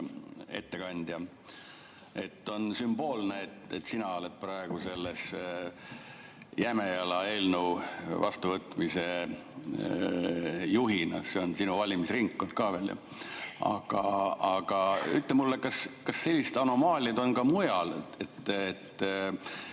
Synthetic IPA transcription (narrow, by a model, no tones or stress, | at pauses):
e̞̰t̪ːe̞kɑnʲd̪̥jɑ | e̞t̪ːo̞nsymb̥o̞ːlneːt̪ːḛt̪sinɑo̞let̪̚prɑe̞ɡ̥use̞lːes | jæme̞jɑlɑe̞lnuvɑ̰st̪uvɤt̪ːmise̞ | juɦinɑse̞o̞nsinuvɑlʲimisriŋkːot̪̚kɑːveljɑ̰ | ɑ̰ɡ̥ɑɑɡ̥ɑy̰t̪ːˑlemulːekɑskɑsse̞lʲːiset̪ɑno̞mɑːlʲjɑd̪o̞nkɑmujɑlet̪ːet̪ː